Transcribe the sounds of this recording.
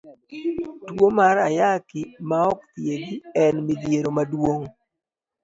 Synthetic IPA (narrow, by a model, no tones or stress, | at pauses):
twomaɾajakɪmaɔkt̪jeɡiɛnmɪd̪jeɾomadwoŋ